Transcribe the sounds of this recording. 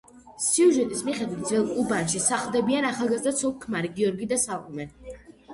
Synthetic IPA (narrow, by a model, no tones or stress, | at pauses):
siuʒɛt̪ʼismiχɛd̪wit̪̚ʰd̪zvɛlˠkʼubanʃisaχlˠd̪ɛbianaχalˠɡazd̪at̪sʰɔp̚kʰmaɾiɡiɔɾɡid̪asalˠɔ̰mɛn